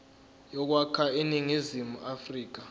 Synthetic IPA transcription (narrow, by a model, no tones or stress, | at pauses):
jɔk̬wakʰainiŋizimuafriːk̬a